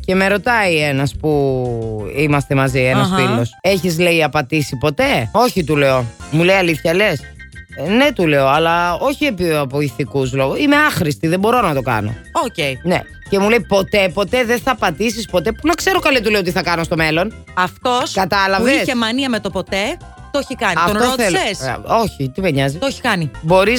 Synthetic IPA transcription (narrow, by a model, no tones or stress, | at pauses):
ce̞meɾo̞t̪ɐienɐspu | imɐst̪e̞mɐzienɐsfilo̞seçizleiɐpɐt̪isipo̞t̪e̞o̞çit̪uleo̞muleiɐliθçɐle̞s | ne̞t̪ule̞oɐlɐo̞çiepiɐpoiθikuzlo̞ɣuime̞ɐxɾist̪iðebo̞ɾo̞nɐt̪okɐ̰no̞̰oceinḛ | ce̞mule̞ipo̞t̪e̞po̞t̪eðenθɐːpɐt̪isispo̞t̪e̞punɐkse̞ɾokɐlit̪uleot̪̬iθɐkɐnost̪o̞me̞lo̞n | ɐft̪oskɐt̪ɐlɐvesʝemɐniɐmet̪opot̪e̞ | t̪ooçikɐniɐft̪ootθelseso̞çit̪imeɲɐzit̪oçi̥kɐnibo̞ɾis